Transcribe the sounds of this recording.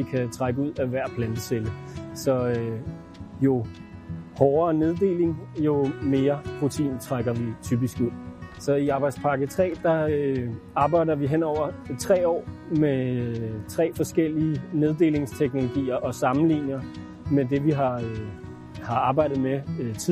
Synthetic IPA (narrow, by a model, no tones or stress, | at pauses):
ʋikʰæt͡sʰʁaɡ̥əuð̞̰ˠæʋæɐ̰pʰlænd̥əseləsɒ̽ | jo̝ | hɒːɐːneð̞ˠd̥e̝̰ːle̝ŋjo̝me̝ːɐpʰʁo̝t͡sʰḭːnt͡sʰʁaɡ̥ɐʋit͡sʰyːb̥isɡ̥uð̰ˠsɒ̽iɑ̈ːb̥ɑ̈ɪd̥spʰɑ̈ɡ̥ət͡sʰʁɛ̰ːd̥ɑ̈ø | ɑ̈ːb̥ɑ̈ɪ̰ɾɐʋiɦenɒʊ̰ɐt͡sʰʁɛ̰ːɒ̰ːme | t͡sʰʁɛ̰ːfɒ̽sɡ̥el̰iːne̝ð̞ˠd̥e̝̰ːle̝ŋst͡sʰeɡ̥no̝lo̝ɡ̥ḭːɐʔɒ̽sɑ̈mn̩lḭːnjɐ | med̥e̝ʋiɦɑ̈ | hɑ̈ɑ̈ːb̥ɑ̈ɪ̰ɾ̥ð̩ˠmet͡sʰi